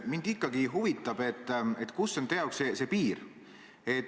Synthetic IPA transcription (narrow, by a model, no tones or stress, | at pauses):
mind̪̥ikːɑɡiɦuvit̪ːˑɑb̥e̞t̪ːˑet̪kusːo̞nt̪ejɑoksese̞piːɾ | e̞t̪